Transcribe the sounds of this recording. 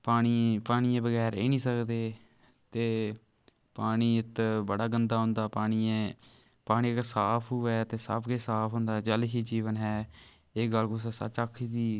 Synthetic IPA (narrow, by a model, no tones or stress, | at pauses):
paːɽ̃iːpaːɽ̃iːẽːbəɡɛːɾḛːnĩːsəkd̪eː | t̪eː | paːɽ̃iːɪt̪bəɽaːɡənd̪aːɦʊ̃ːnd̪aːpaːɽ̃iːẽ | paːɽ̃iːksaːpʰuːɛːt̪eːsa̰ːpʰɡeːsaːpʰɦʊ̃nd̪aːd͡ʒəlɦiːd͡ʒiːʋənɦɛː | eːɡəlkʊs̬ɛːsə̰t͡ʃakʰːiːd̪iː